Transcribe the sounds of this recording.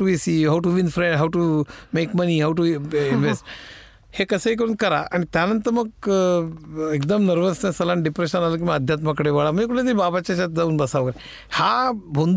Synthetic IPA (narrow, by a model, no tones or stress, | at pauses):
uʋisiɦawʈuʋinfɾẽɳɖɦawʈumeːkmɐniɦawʈuinʋesʈ | hekɐsəik̬əɾuːnkɐɾa̰ʔɐnit̪janɐnt̪ɐmɐɡ | ekd̪ɐmnəɾʋəst̪ẽnsɐlaɳɖipɾeʃənaːlɐk̬imaɐd̪ʱjaːt̪̬mɐkɐɽeʋaːɭamɐ̃d͡ʒekuʈʰed̪ɾibaːbat͡ʃat͡ʃat̪d͡zauːnbɐsaʋkɐɾe | habʱond̪